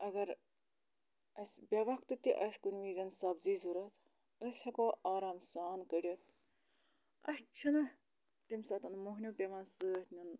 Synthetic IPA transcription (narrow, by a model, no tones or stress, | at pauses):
ɐɡɐɾ | ɐsʲbʲɐʋɐkt̪ɨt̪iʔɐsʲkunʲʋiːzɐnsɐbziːzuɾɐt̪ | əsʲhɐkoːʔaːɾaːmsaːnkəɾʲɐt̪ | ɐ̰st͡ʃʰɐnɐ | t̪imsat̪ɐnmoɦnʲjoːpʲɐmɐnsɨt̪ʰnʲɐn